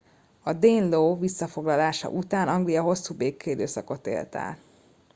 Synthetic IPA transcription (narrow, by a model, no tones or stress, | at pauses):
ɒd̪eːnloːvisːɒfo̞ɡlɒlaːʃɒ̰ʔut̪aːnɒŋɡlijɒɦo̞sːuːbeːkːeːd̪øːsɒko̞t̪ḛːlt̪a̰ːl